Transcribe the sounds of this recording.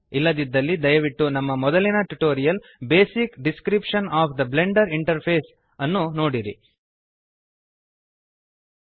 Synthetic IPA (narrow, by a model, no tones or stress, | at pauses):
ilːɐd̪id̪ːɐlːid̪ɐjɐʋiʈːunɐmːɐmɔd̪ɐlːinɐʈuʈo̞ːɾijɐl | beːsikɖiskɾipʂɐnaːpʰd̪ɐble̞ɳɖɐɾiɳʈɐɾpʰe̞ːs | ɐnːuno̞ːɽiɾḭ